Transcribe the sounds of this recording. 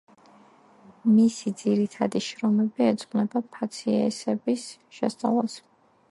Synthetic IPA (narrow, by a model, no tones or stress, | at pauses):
misid̪ziɾit̪ʰad̪iʃɾɔmɛbiɛd̪zʼqʼnɛbapʰat̪sʰiɛsɛbisʃɛst̪sʼa̰vlˠas